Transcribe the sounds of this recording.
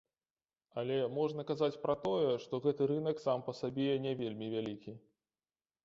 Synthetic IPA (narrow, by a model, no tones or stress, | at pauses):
ɐlʲɛmɔʐnɐkazat͡sʲpɾɐt̪ɔjɛʂt̪ɔɣɛt̪ɨɾɨnɐksampɐsabʲɛjɛnʲɛvʲelʲmʲivʲalʲikʲi